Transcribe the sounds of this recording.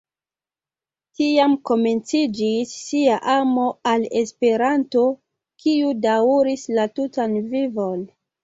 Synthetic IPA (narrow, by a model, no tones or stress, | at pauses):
tiamko̞me̞nt͡sid͡ʒisːiaʔamo̞ale̞spe̞ɾanto̞ | kʰiudauɾislatutanvivo̞n